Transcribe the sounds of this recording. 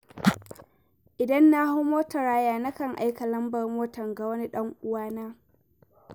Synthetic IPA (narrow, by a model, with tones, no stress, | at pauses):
ʔɪ˨dɐ˦nːa˦hʊ˦moː˦tɐ˨ɽaː˦jaː˦na˦kɐ˨ŋʔa̰˦jkɐ˨lɐ˦mbɐ˨rmoː˦tɐ˨ŋɡa˨wɐ˦ni˦ɗɐ˦ŋʔʊ˦waː˦naː˦